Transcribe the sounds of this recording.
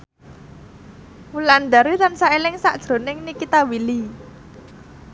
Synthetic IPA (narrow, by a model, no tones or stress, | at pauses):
wuland̪aɾit̪ansaelɪŋsaʔd̥ʒ̥ɾo̤nɪŋnikit̪awili